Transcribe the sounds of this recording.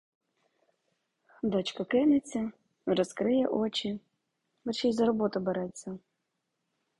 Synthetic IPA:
d̪ɔt͡ɕkɐkɪnɪt͡sʲːɐ | ɾɔskɾɪjɛ̰ʔɔt͡ʃi | bɛrʃijzɐɾɔbɔt̪ʊbɛɾɛt͡sʲːɐ

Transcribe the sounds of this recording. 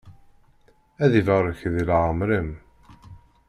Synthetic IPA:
æðivəɾˤəçðilʕəmɾim

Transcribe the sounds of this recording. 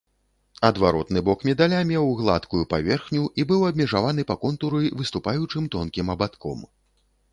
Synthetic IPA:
ɐd̪vaɾɔt̪nɨbɔkmʲɛd̪alʲamʲɛwɣlˠa̰t̪kujupavʲɛrxnʲuʔibɨwɐbʲmʲɛʐavanɨpɐkɔnt̪uɾɨvɨst̪upajut͡ʂɨmt̪ɔnkʲimɐbat̪kɔ̰m

